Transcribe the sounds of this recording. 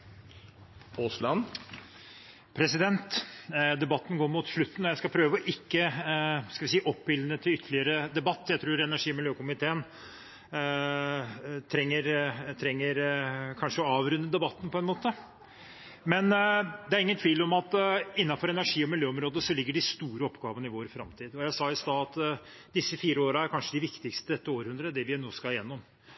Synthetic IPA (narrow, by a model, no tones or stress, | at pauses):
oslɑn | pʰɾɛsɪd̪ɛnt̪d̪ɛbɑt̪ːn̩ɡoːɾmʊt̪ʂɭʉt̪ːnɔjæɪskɑpʰɾøːʋəɔʔɪkːəskɑʋɪsiːʔɔpːbɪlːənət̪ʰɪlʏt̪ʰːəɭɪəɾəd̪ɛbɑt̪ːjæɪt̪ʰɾuːɾɛnæʂiːɔmɪljøːkʊmɪt̪ʰeːən | t̪ʰɾɛŋːəɾt̪ʰɾɛŋːəɾkʰɑnʂəɔɑːʋɾʉnːəd̪ɛbɑt̪ːnpʰɔɛnmoːt̪ə | mɛnd̪ɛæɾɪŋːənt̪ʰʋiːlɔmɑt̪ɪnːɑfɔɾɛnæʂiːɔmɪljøːɔmɾoːd̪əsɔlɪɡːəɖɪst̪uːɾəɔpɡɑːʋənɪʋoːɾfɾɑ̰mt̪ʰiːd̪ɔjæɪsɑɪst̪ɑːɑt̪ | d̪ɪsːəfiːɾəoːɾəæɾkʰɑnʂəd̪ɪʋɪkt̪ɪkst̪əd̪ɛt̪ːəoːɾhʉnd̪ɾəd̪ɛʋɪnoːskɑɪjɛnːɔm